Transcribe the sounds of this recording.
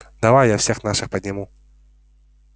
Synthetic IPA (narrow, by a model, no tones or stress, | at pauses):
d̪avajjawsʲɛxnaʂɨxpɐd̪ʲnʲɪmu